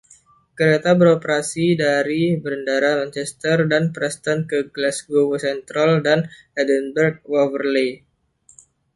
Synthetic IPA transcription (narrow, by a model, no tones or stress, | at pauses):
kəɾet̪abəɾopəɾasidaɾibəɾəndaɾamant͡ʃɛst̪ərdanpɾɛst̪ankəɡlɛsɡowosɛnt̪ɾaldan | ɛdənbərɡ̚ovərle